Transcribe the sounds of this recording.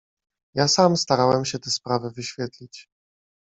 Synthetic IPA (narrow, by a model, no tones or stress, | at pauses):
jasamst̪aɾawɛmɕɛt̪ɛspɾavɘvɘɕfʲjɛt̪lʲit͡ɕ